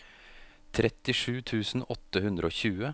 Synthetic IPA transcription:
t̪ʰɾɛt̪ɪʂʉːt̪ʰʉːsn̩ɔt̪əhʉnd̪ɾəoːçʉːə

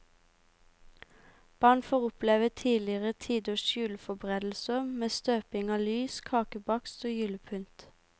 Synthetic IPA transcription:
b̥ɑːɳfoːʁʊplɛːʋət̪ʰiːlɪəʁət̪ʰiːd̪oːʃjʉːlfɔbʁeːd̪l̩səmeːst̪øːpɪŋɑːlyːskʰɑːkəbɑkst̪oːjʉːləpʰʉnt̪

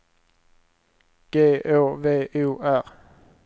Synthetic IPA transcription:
ɡ̥eːʔoːʋeːʔʉːʔæʁ

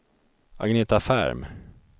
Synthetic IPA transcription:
a̰ɡneːt̪afæ̰ɾm

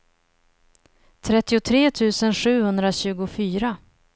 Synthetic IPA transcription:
t̪ʰɾɛt̪ːɪʊt̪ʰɾeːt̪ʰʉ̟ːsənɧʉ̟ːhɵnd̪ɾaɕʉ̟ːɡʊfyːɾa

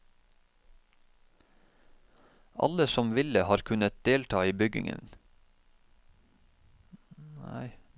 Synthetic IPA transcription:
ʔɑ̰ləsɔmʋɪləhɑːɾkʰʉnət̪̚d̪eːlt̪ʰɑːiːbʏɡɪ̰ŋə̰n | næ̰ɪ

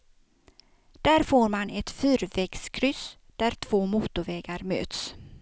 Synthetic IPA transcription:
d̪̥æːɾfoːɾmanɛt̪fyːɾvɛɡskʰɾʏsd̪̥æɾʈ̪ʰv̥oːmuːt̪ʊvɛːɡaɾmø̰ːt̪s

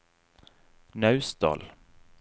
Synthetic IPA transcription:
nœʉsd̪ɑ̰ːl

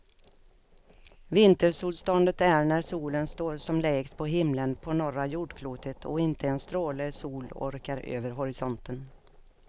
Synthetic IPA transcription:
vɪnt̪əɾʂuːlst̪ɔnd̪ət̪æɳæɾsuːlənst̪oːɾʂɔmlɛːɡspʰɔɦɪmlənpʰɔnɔɾajuːɖkʰluːt̪ʰət̪ʰɔ̰ɪnt̪ʰəɛnst̪ɾoːləsuːlɔ̰ɾkaɾø̰ːvəɾɦɔɾɪsɔnt̪ən

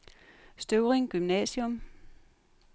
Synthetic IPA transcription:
sd̥øʊʁeŋɡ̥ymnɛ̰ːɕjɔm

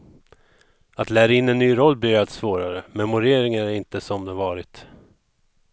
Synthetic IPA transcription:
at̪læːɾaɪnːɛnːyːɾɔlːbyːat̪svoːɾaɾəmɛmʊɾeːɾɪŋaɾæɾɪnt̪əsɔmd̪ɛvɑːɾɪt̪

